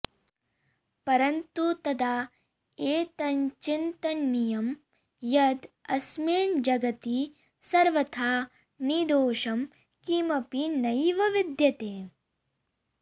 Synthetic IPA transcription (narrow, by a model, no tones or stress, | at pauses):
pɐɾɐnt̪ut̪ɐd̪aː | eːt̪ɐɲt͡ʃint̪ɐnːijɐm | jɐd̪ɐsmiɾɳd͡ʒɐɡɐt̪i | sɐɾʋɐt̪ʰaː | nid̪oːʃɐm | kiːmɐpinɐjʋɐʋid̪jɐt̪eː